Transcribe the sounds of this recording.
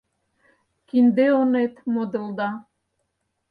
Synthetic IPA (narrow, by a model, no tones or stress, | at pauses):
kind̪eonet̪mod̪ɤ̆lˠd̪ɑ